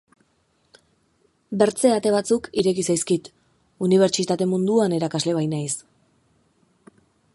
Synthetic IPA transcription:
be̞ɾt͡se̞at̪e̞β̞at͡sukiɾe̞kisajskit̪ | uniβ̞e̞ɾt͡ʃit̪at̪e̞mund̪uane̞ɾakazle̞β̞ajnajs

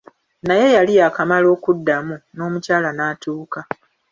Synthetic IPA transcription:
naje̞jaliakamalo̞ːkudːamuno̞ːmucaːlanaːtuːka

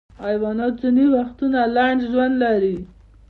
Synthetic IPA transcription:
ɑjwɑnɑt͡suniwaxt̪unalaɳɖʒwand̪laɾi

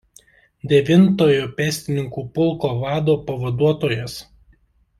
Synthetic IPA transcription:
d̪ʲɛʋʲɪnt̪oːjoːpʲɛsʲt̪ʲɪnʲɪŋkuːpʊlˠkoːʋɑːd̪oːpɐʋɐd̪uɔt̪oːjɛs

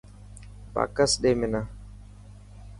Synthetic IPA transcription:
pa̰ːkəsɗemɪna

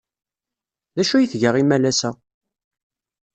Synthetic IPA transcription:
ðæʃujiθʝəʁimælæsæ

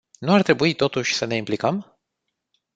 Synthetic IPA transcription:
nuart̪ɾe̞buit̪o̞t̪uʃʲsəne̞implikəm

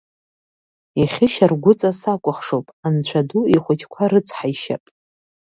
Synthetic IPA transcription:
iχʲɪʃarɡʷʊt͡sʼasakʷʼʊχʂowpʼant͡ɕʷʰaduiχʷʊt͡ʃʰʼkʷʰaɾɨt͡sʰħaiʃa̰pʼ

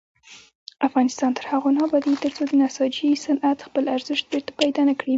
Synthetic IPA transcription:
ʔafɣɑnɪst̪ɑnt̪əɾhaɣonɑbɑd̪it̪əɾt͡sod̪ənasɑd͡ʒisanʔat̪xpəlaɾzɪʃt̪̚beɾt̪ḁpajd̪ɑnakɽi

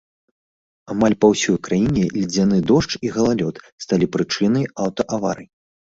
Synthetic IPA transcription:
amalʲpawsʲɔjkɾajinʲɛlʲid͡zʲanɨd̪ɔʂt͡ʂiɣɐlˠalʲɔt̪st̪alʲipɾɨt͡ʂɨnɐjawt̪ɐʔava̰ɾɨj

